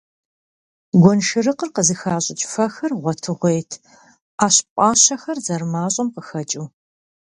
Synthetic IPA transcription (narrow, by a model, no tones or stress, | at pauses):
ɡʷɔnʃɨrɨqərqəzɨxaːɕʼɪt͡ʃʼfɐxɐrʁʷɔtʰɨʁʷejtʰ | aːɕpʷʼɑːɕɐxɐrzɐrmaːɕʼɐmqəxɐt͡ʃʼiː